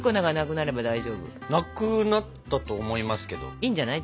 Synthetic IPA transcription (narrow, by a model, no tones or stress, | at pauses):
konaɡanakɯ̟naɾe̞bad̪aiʑo̞ːbɯ̰nakɯnat̪ːat̪oːmo̞imasɨ̥ke̞d̪o̞̰iːɲ̟d͡ʑanai